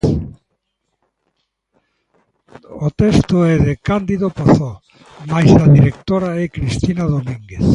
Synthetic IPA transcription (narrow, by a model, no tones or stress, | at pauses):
ot̪ɛst̪oɛðekand̪iðopaθo | majzaðiɾek̚t̪oɾaɛkɾist̪inaðomĩŋɡeθ